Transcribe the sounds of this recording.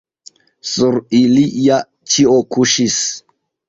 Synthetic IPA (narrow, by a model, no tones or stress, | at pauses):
suɾilija | t͡ʃiokuʃis